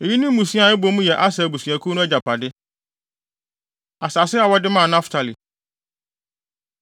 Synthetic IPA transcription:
e˨ji˦nĩ˦m˦ũ˨sĩ˦a˨ɛ˦bo˨˦mũ˦jɛ˨ʔa˦sa˨bu˨sɥ̃æ˨kʰu˦nʊ̃˦ɛ˦d͡ʑa˨pʰa˨dɪ˦ | a˨sa˨sɪ˦a˨wɔ˦dɪ˦mãː˦˨nã˦ftʰa˨li˨

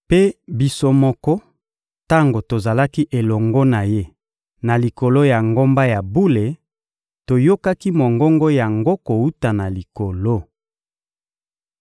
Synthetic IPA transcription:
pe˦bi˨so˦mɔ˦kɔ˦ | ta˦ŋɡo˨to˨za˨la˦ki˦ʔe˨lɔ˨ŋɡɔ˦na˨je˦ | na˨li˨ko˨lo˦ja˨ŋɡo˦mba˦ja˨bu˦le˨ | to˨jo˦ka˦ki˦mo˨ŋɡo˦ŋɡɔ˦ja˨ŋɡo˦ko˨wu˦ta˨na˨li˨ko˨lo˦

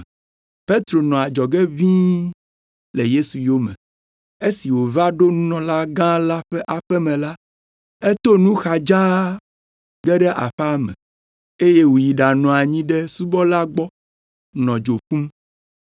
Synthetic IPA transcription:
pe˦t̪ɾo˨nɔ̃˨a˨d͡ʒɔ˨ɡɛ˦vĩ˦ | le˨je˦su˨jo˦mɛ̃˨ | e˦si˨wo˨va˦ɖo˦nũ˦nɔ̃˨la˦ɡã˦la˦ɸɛ˦ʔa˨ɸɛ˦mɛ̃˨la˦ | e˦t̪o˦nũ˦xa˨d͡ʒa˦ | ɡɛ˦ɖɛ˦ʔa˨ɸa˦mɛ̰̃˨ | e˦je˦wu˨ji˨ɖa˨nɔ̃˨a˨ɲĩ˦ɖɛ˦su˦bɔ˦la˦ɡ͡bɔ˦ | nɔ̃˨d͡ʒo˨ɸũ˦m

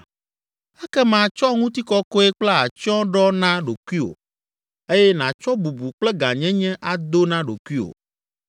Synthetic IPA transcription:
ɛ˦kɛ˦mã˨t͡ʃɔ˦ŋũ˦t̪i˦kɔ˦ko˦e˦k͡plɛ˦a˨t͡ʃɔ̃˦ɖɔ˦nã˦ɖo˨ku˦i˦o̰˨ | e˦jɛ˦nã˨t͡ʃɔ˦bu˨bu˨k͡plɛ˦ɡã˨ɲɛ̃˦ɲɛ̃˦ʔa˨d̪o˦nã˦ɖo̰˨kʷu˦i˦o̰˨

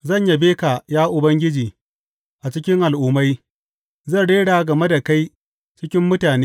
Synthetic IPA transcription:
zɐ˦˨ɲja˦beː˦ka˨jaː˦ʔʊ˨bɐ˦ŋɡʲɪ˦d͡ʒiː˨ | ʔa˨t͡ʃɪ˦kʲɪ˦ŋʔa˨lʔʊː˨˦ma˦j | zɐ˦˨nɽeː˦ɽaː˨ɡɐ˨me˦da˨ka˦j | t͡ʃɪ˦kʲɪ˦mːʊ˦taː˨neː˦

